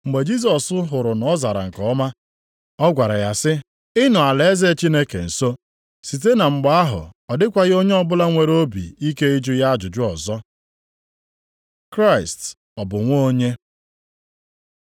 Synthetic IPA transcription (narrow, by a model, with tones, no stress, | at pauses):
ŋ͡m̩˨ɡ͡be˨d͡ʒi˦s̬ɔ˨sʊ˦ɦʊ˨ɾʊ˨nɔ˨˦za˨ɾa̰˨ŋ̩˨kɔ˨˦ma˦ | ɔ˦ɡʷa˨ɾa˨ja˨sɪ˦ | ɪ˦nʊ˨a˨le˨e˦ze˦t͡ʃi˦ne˦kḛ˨n̩˨so˦ | si˨t̬e˦na˨ŋ͡m̩˨ɡ͡ba˦a˦ɦʊ̰˨ɔ˨dɪ˦kʷa˨ɣɪ˦o˦ɲe˦ɔ˦bʊ˦la˦ŋʷe˨ɾo˦bḭ˨i˦ke˦i˦d͡ʒʊ˦ja˦d͡ʒʊ˨d͡ʒʊ˦ɔ˨zɔ˦ | kɾa˦˨ɪ˨st | ɔ˨bʊ˨ŋʷo˦ɲe˦